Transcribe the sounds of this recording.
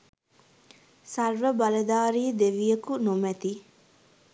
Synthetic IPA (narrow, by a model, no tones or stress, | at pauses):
sɐrʋəbɐlɐd̪aːɾiːd̪eʋijəkunomɛt̪i